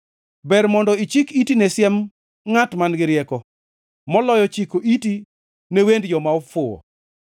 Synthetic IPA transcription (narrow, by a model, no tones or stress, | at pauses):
bɛɾmɔndɔit͡ʃikitinesjɛm | ŋatmanɡɪɾɪjɛkɔ | mɔlɔjɔt͡ʃikoʔiti | newendjɔmaɔfʊwɔ̰